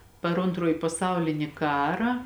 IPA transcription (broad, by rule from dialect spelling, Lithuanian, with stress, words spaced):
pɐr ˈoːntroːjɪ pɐˈsɐʊlʲɪnʲɪ ˈkɑːrɑː